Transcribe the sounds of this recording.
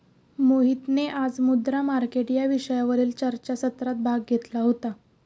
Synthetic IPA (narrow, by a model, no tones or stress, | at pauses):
moɦit̪neʔad͡zmud̪ɾamaɾkeʈjaʋiɕəjaʋəɾiːlt͡ɕəɾt͡ɕasət̪ɾat̪̚bʱaɡɡʱet̪laɦot̪a